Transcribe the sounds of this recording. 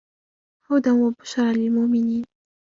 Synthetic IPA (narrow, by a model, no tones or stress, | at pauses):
ħawd̪anwabʊʃɾˤɑlɪlmʊʔmɪniːn